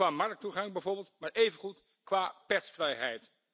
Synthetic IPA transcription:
aːmɑrk̚tuχɑŋbɛjvoːɹbɪːlˠtmaːɹejvənχut | kʋaːpɛtsfrɛjɦɛjt

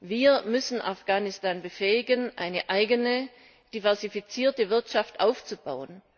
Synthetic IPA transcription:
viːɐmʏsn̩ʔafɡ̥aːnɪstaːnbəfɛːɪɡənʔa̰ɪnəʔaɪɡənə | d̥ivɛɐzifit͡siːɐtəvɪɐtʃaftʔaʊft͡suba̰ʊən

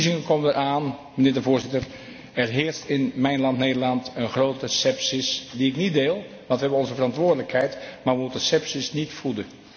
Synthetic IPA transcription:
zɪŋəkoməndəɾʔaːn | mənɪːɹdəvʊːɹzɪtər | ɛɹɦɪːɹstɪnmɛjnlɑntnejdəɹlɑntənχrowtəsɛpsisdiɪknit̚deːlˠ | ʋɑ̃ntʋəɦɛbənɔnzəvərɑntʋʊːɹdələkɦɛjtmaːɹʋəmutənsɛpsisnitfudə

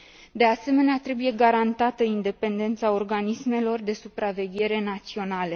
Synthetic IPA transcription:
d̪e̞ase̞me̞neat̪ɾe̞buje̞ɡaɾant̪at̪əind̪e̞pe̞nd̪e̞nt̪sao̞rɡanisme̞lo̞rd̪e̞supɾave̞ɡʲe̞ɾe̞nat̪sio̞nale̞

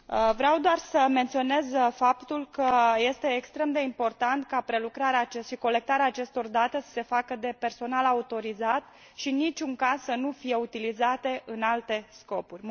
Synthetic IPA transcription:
vɾeawd̪oarsəme̞nt̪sio̞ne̞zfapt̪ulkəje̞st̪e̞ːkst̪ɾe̞md̪e̞impo̞rt̪ant̪kapɾe̞lukɾaɾeaːt͡ʃeʃiko̞le̞k̚t̪aɾeaːt͡ʃe̞st̪o̞rd̪at̪e̞sə̥se̞fakəd̪e̞pe̞rso̞nalaut̪o̞ɾizat̪ | ʃinit͡ʃʲuŋkassənufije̞ut̪ilizat̪e̞ʔɨnalt̪e̞sko̞purʲ

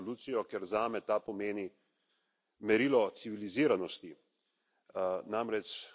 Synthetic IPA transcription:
luːt̪sijɔkɛɾzaːmɛt̪apɔmeːni | mɛɾilɔt̪siʋiliziːɾanɔst̪i | namɾɛt͡ʃ

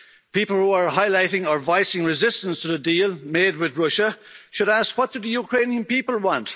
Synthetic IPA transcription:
pipəl̩ˠhuə˞ɦaɪlaɪɾɪ̃ŋə˞vaɪsɪ̃ŋɹɪzɪstə̃nstʰəðədiːlˠmeːd̚wɪðɹʊʃəʃɨɾaskwʌt̚d̥ɨðəjukʰɹ̥ẽɪ̃niə̃npipəlˠwɑ̃nt

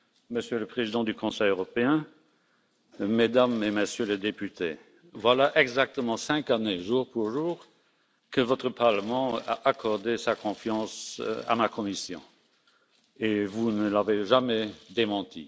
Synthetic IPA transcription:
məsjøləpχezid̪ɑ̃d̪ykʰɔ̃sɛjøʁɔpeɛ̃ | ed̪ameməsjøləd̪epyt̪ʰe | vwalaʔɛɡzak̚t̪əmɑ̃sɛ̃kaneʒuːʁpuʁʒuːʁ | kəvɔt̪χəpaʁləmɑ̃a̰ʔakʰɔʁd̪esakʰɔ̃fjɑ̃sa̰makʰɔmisjɔ̰̃ | evunəlaveʒamɛd̪emɑ̃t̪ʰḭ

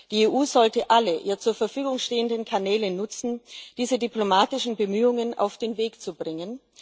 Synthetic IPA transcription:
d̥iːeːʔuːzɔltəʔaləʔiːɐt͡suːɐfɛɐfyːɡʊŋʃteːəndn̩kʰanɛːlənʊt͡sn̩d̥iːzədyplomaːtɪʃn̩bəmyːʊŋəna̰ʊfd̥eːnveːkt͡subʁɪŋən

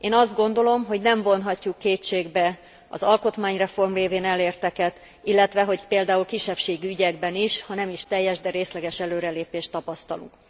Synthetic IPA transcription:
eːnɒzd̪ɡo̞nd̪o̞lo̞mɦo̞ɟnɛɱvo̞nɦɒcːukːeːt͡ʃeːɡbɛ | ɒ̰zɒlko̞t̪maːɲrɛfo̞rmreːveːnɛleːrt̪ɛkɛt̪ | ilːɛt̪ʋɛɦo̞ɟpeːld̪aːulkiʃːɛpʃeːɡiyɟɛɡbɛniʃhɒnɛmiʃt̪ɛjːɛʒd̪ɛɾeːslɛɡɛʃɛløːɾɛleːpeːʃt̪ɒpɒst̪ɒlṵŋk

